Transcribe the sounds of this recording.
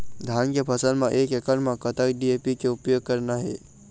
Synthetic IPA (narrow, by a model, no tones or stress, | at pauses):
d̪ʱankepʰɐsənmãʔekekəɾmãkət̪akɖiepikeupjoɡ̚kəɾnaɦḛ